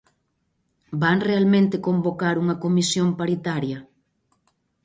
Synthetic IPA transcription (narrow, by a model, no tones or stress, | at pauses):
baŋrealmẽnt̪ekombokaɾuŋɐkomisjompaɾit̪aɾjɐ